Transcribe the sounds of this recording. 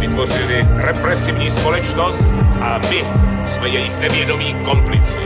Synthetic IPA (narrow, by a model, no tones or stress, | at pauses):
vɪt̪vorɪlɪɾɛpɾɛsɪvɲiːspolɛt͡ʃnost̪ʔamɪ | smɛjɛjinɛvjɛdomiːkomplɪt̪sɪ